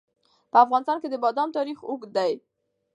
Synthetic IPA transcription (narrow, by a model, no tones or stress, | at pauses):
pəafɣɑnɪst̪ɑnked̪əbɑd̪ɑmt̪ɑɾixʊkd̪aj